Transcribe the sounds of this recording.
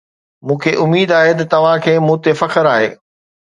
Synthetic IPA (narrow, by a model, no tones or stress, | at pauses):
mũːkʰeʔʊmiːd̪aːɦet̪ɐt̪ɐʋ̤ãkʰeːmũːt̪efɐkəɾaːɦḛː